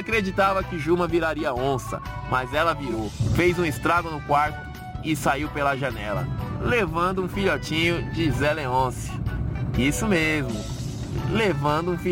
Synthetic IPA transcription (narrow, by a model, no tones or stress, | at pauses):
akɾed͡ʒit̪avɐkɪʒumɐ̃viɾaɾiɐõsɐ̰mɐzɛlɐviɾowfejzũɪst̪ɾaɡʊnʊkwaɾt̪ʊ̥ | ɪsaiwpelɐʒɐ̃nɛ̰lɐ̰levɐ̃nd̪ʊũfiʎɔt͡ʃĩɲʊd͡ʒɪzeleõsɪ̥isʊmezmʊ | levɐ̃nd̪ʊũfi